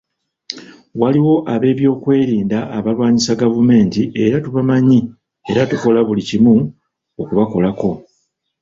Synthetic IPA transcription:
waliwo̞ʔaβe̞ːβjo̞ːkwe̞ːɾiːndaʔːβalwaːɲisaɡavume̞ːntiʔe̞ɾatuβamaɲi | e̞ɾatuko̞laβulicimu | okuβako̞lako̞

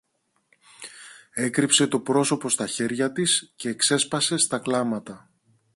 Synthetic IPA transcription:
e̞kɾipse̞t̪o̞pɾo̞so̞po̞st̪ɐçe̞ɾʝɐt̪isce̞ːkse̞spɐse̞st̪ɐklɐmɐt̪ɐ

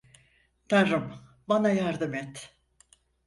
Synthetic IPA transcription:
t̪ʰaɾɯm | banajaɾd̪ɯmɛt̪

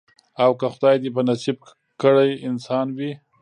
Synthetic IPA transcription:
awkəxʊd̪ɑjd̪ep̬ənasib̚ | kəɽajɪnsɑnwi

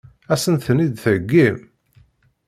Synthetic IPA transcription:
æsənθənid̪θəɡːim

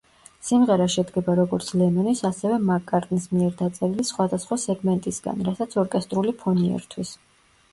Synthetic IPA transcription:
simʁɛɾaʃɛd̪ɡɛbaɾɔɡɔɾt̪sʰlɛmɛnisasɛvɛmakʼːaɾt̪ʼnismiɛɾd̪at̪sʼɛɾilisχwad̪asχwasɛɡmɛnt̪ʼisɡa̰nɾasat̪sʰɔɾkʼɛst̪ʼɾulipʰɔniɛ̰ɾt̪ʰwis

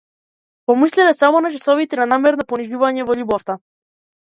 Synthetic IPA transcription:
pɔmislɛlɛsamɔnat͡ʃɛsɔvit̪ɛnanamɛɾnapɔniʒuvaɲɛvɔʎubɔft̪a

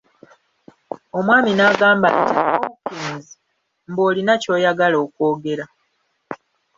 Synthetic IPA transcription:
o̞mwaːminaːɡaːmba̰ntḭoβukeːnzi | m̩bo̞ːlinaco̞ːjaɡalo̞ːkwo̞ːɡe̞ɾa

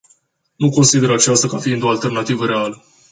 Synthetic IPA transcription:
nuko̞nsid̪e̞ɾat͡ʃast̪akafiind̪o̞alt̪e̞rnat̪ivəɾealə

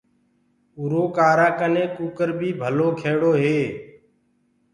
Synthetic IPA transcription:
uɾoːkaːɾaːkəneːkuːkəɾbʱiːbʱəloːkʰeːɽoːɦeː

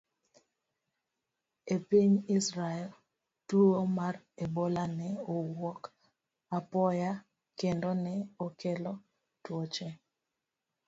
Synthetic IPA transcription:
epiɲisɾaɛl | tumar | ebolanɛowɔk | apɔja | kendɔnɛokelɔ | twot͡ʃe

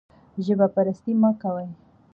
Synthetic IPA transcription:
ʒəbapaɾast̪imakawaj

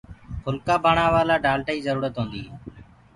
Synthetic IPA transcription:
xʊlkaːbʱaːɳãːʋaːlaːɖaːlʈaːiːzəɾuːɾət̪ɦõːnd̪iː

